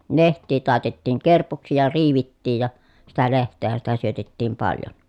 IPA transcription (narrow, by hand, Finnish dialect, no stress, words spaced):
lehtˑiː tɑˑetetiːŋ kerpuksi jɑ riːʋitːiːj jɑ sitæ lehtˑeːhæn sitæ syøtetːiːm pɑljon